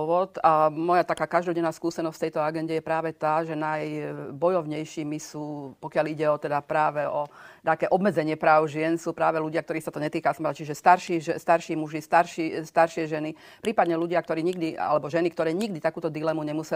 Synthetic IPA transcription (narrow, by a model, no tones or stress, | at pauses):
ʋɔt̪amɔjat̪akaːkaʒd̪ɔɟɛnːaːskuːsɛnɔscft̪ɛjt̪ɔaɡɛnɟɛjɛpɾaːʋɛt̪aːʒɛnajbɔjɔʋɲɛjʃiːmisuːpɔkɪaliɟɛɔt̪ɛd̪apɾaːʋɛɔt̪aːkɛːʔɔbmɛd͡zɛɲɪɛpɾaːʊʒɪɛnsuːpɾaːʋɛluɟɪakt̪ɔɾiːsat̪ɔɲɛt̪iːkasmat͡ʃiʒɛst̪aɾʃiʒɛst̪aɾʃiːmuʒist̪aɾʃist̪aɾʃɪɛʒɛni | pɾiːpad̪ɲɛluɟɪakt̪ɔɾiːɲiɡd̪ia̰lɛbɔʒɛnikt̪ɔɾɛːɲiɡd̪it̪akuːt̪ɔd̪ilɛmuɲɛmusɛ